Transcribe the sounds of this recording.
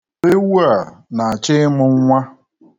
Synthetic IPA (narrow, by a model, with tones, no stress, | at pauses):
e˦wu˦a˨na˨t͡ʃɪ˦mʊ˨ŋ̩˦ŋʷa˦